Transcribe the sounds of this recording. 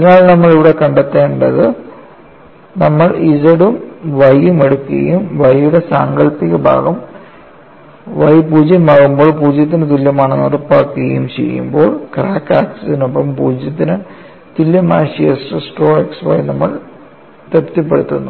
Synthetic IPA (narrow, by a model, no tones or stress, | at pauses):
ɐðnaːɭnɐmːɐɭiʋiɽe̞kɐɳɖɐt̪ːeːɳɖɐðɨ | nɐmːɐɭiðɐɽumʋɐjumeɽukːuɣɐ̰jumʋɐjjuɽe̞saːŋɡɐɭpiɣɐbʱa̰ːɣɐm | ʋɐjpuːd͡ʑjɐmaːɣumbo̞ːɭpuːd͡ʑjɐt̪̬ːint̪̬ilːjɐmaːɳɨnorɐpːaːkːuɣɐjumt͡ɕe̞̰jːṵmbo̞ːɭkraːkːaːksɐinopːɐmpuːd͡ʑɐt̪ːinɨ | t̪ulːjɐmaːɕijɐsʈɨsʈo̞ːeksʋɐ̰jnɐmːɐɭ | t̪ert̪ːipːe̞ɽut̪ːunːu